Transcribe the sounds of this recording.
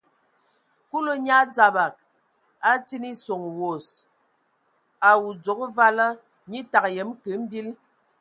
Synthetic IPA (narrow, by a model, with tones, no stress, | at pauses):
ku˦lo˦ɲa˦d͡za˨ba˨k̚ | a˦ti˦ni˦so˨ŋwo˨s | a˨wu˨d͡zo˨kva˦lə˦ | ɲi˦ta˨kjə˨˦mkə˨˦m̩˦bi˦l